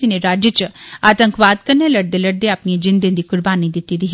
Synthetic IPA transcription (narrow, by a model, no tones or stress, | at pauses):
ineɾaːd͡ʒət͡ʃaːt̪əŋkʋaːd̪kəɾnelɐɽd̪elɐɽd̪eaːpniẽd͡ʒɪ̃nd̪ẽnd̪ikʊɾbaːnid̪ɪt̪id̪iɦ